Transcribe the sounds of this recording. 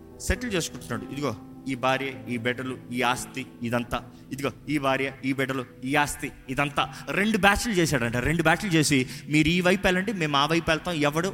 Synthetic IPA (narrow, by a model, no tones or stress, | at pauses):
seʈɐlt͡ʃeːsu̥kuɳʈunːaːɽuid̪uɡo̞ː | iːbʱaːɾjɐiːbɛɖɐluiːaːst̪iːd̪ɐnt̪aː | id̪uɡoːiːbʱaːɾjɐiːbɛɖɐluiːaːst̪iid̪ɐnt̪aːɾe̞ɳɖubaːt͡ʃlut͡ʃeːsaːɽɐɳʈaːɾe̞ɳɖubaːt͡ʃlut͡ʃe̞ːsimiːɾiːʋɐjpɛːlɐɳʈeːme̞ːmaːʋɐjpɛlɐt̪aːɛʋːɐɽu